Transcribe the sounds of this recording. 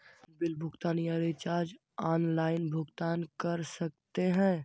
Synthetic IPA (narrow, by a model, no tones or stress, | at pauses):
bɪlbʱʊɡt̪aːnijaɾet͡ʃaːɾd͡ʒ | aːnlaːɪnbʱʊɡt̪aːnkɐɾsɐk̚t̪eɦɛ̃ː